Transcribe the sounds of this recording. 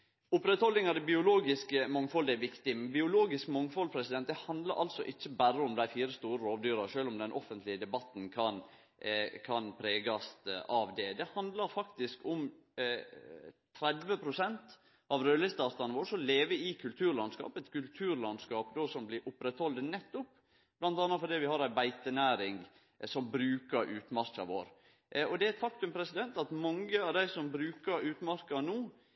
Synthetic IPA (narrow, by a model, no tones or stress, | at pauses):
ʊpɾɛt̪hɔlːɪŋɑd̪ɛbɪʊloːɡɪskəmɑŋfɔld̪ɛæʋɪkt̪ɪmɛnbɪʊloːɡɪskmɑŋfɔlpʰɾɛsɪd̪ɛnt̪̚d̪ɛhɑnd̪ləɾʔɑlsɔʔɪçːəbæɾəʊmd̪æɪfiːɾəst̪uːɾəɾoːʋd̪yːɾɑʃøːlʊmd̪ɛnʔɔfənt̪ʰlɪəd̪ɛbɑt̪n̩kʰɑn | kʰɑnpʰɾeːɡɑst̪ɑʋd̪ɛd̪ɛhɑnd̪ləɾfɑkt̪ɪskʊm | t̪ʰɾɛd̪ʋəpʰɾʊsɛnt̪ | ʔɑʋɾøːlɪst̪ɑːt̪ɑnəʋoːɾʂɔleːʋəɪkʰʉlt̪ʰʉːɾɭɑnskɑ̰ːpɛt̪kʉlt̪ʰʉːɾlɑnskɑːpd̪oːsɔmblɪɾʔʊpːɾɛt̪hɔld̪nɛt̪ːʊp | b̥lɑnt̪ɑnːəfɔd̪iːʋɪhɑɾæɪbæɪt̪ənæːɾɪŋ | sɔmbɾʉːkəɾʔʉːt̪mæɾkɑ̰ʋo̰ːɾ | ɔd̪ɛæɛt̪fɑkt̪ʉmpʰɾɛsɪd̪ɛnt̪ɑt̪mɑŋːəɑʋd̪æɪsɔmbɾʉːkəɾʉːt̪mæɾkɑnuː